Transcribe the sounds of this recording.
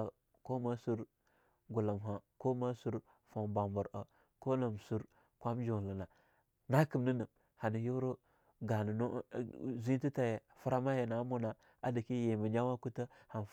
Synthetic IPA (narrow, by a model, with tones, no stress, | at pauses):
ko˦ma˦su˦ɾ | ɡu˨la˨mɦa˨ko˦ma˦su˦ɾ | fo˨mba˨mbə˨ɾə˨ | ko˦na˨msu˦ɾ | kʷa˦md͡ʒo˨lə˨na˨ | na˦kə˨mni˦nə˨m | ha˨ni˨jo˦ɾo˦ | ɡa˨nə˨no˦˨zi˦ti˦ta˨je˨ | fu˦ɾa˦ma˦je˨na˨˦mu˦na˨ | a˨di˨ki˦je˨mə˨d͡ʒa˦wa˦ku˦tə˦ha˨n˨